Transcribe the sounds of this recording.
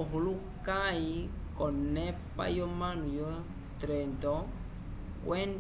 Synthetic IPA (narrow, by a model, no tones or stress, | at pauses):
ɔɦolu | kãi | kɔnɛpa̰jɔmãnũjɔ | tɾɛndɔ | wɛn